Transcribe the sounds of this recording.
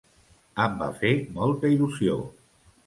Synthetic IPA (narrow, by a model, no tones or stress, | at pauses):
əmba̰femɔlˠt̪əiluzio̰